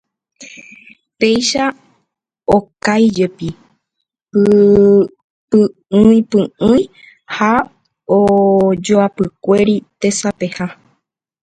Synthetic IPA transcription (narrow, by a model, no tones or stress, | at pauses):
pe̞jʃa | okajd͡ʒe̞pi | pɨ | pɨ | ɨĩpɨɨ̃j̃ | ha | od͡ʒoapɨkʷe̞ɾit̪e̞sape̞ha